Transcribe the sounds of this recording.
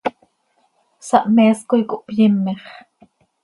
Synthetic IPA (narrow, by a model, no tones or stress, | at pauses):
sɑʔmeːskojkoʔpjimːeχ